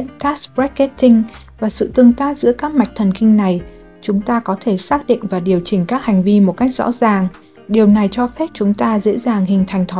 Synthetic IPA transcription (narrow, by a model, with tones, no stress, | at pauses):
nt̪aː˦˥sbɹa˦˥kke˦˥t̚t̪ï˧ŋ̟ | vaː˨˩sɨ̰˧˨t̪ɨ˧əŋt̪aː˦˥t̚zɨ̰˧˥əkaː˦˥k̚ma˨˩k̟̚t̪ʰə˨˩nkï˧ŋ̟na˨˩j | t͡ɕʊ˨˦ŋ͡mt̪aː˧kɔ˨˦t̪ʰe˧˩saː˦˥k̚ɗḭ̈˧˨ŋ̟vaː˨˩ɗi˨˩əwt͡ɕï˧˩ŋ̟kaː˦˥k̚ha˨˩jŋ̟vi˧mo˨˩t̚ka˦˥jk̚zɔ̰˧˥zaː˨˩ŋ | ɗi˨˩əwna˨˩jt͡ɕɔ˧fɛ˦˥p̚t͡ɕʊ˨˦ŋ͡mt̪aː˧zḛ˧˥zaː˨˩ŋhï˨˩ŋ̟t̪ʰa˨˩jŋ̟t̪ʰo˨˦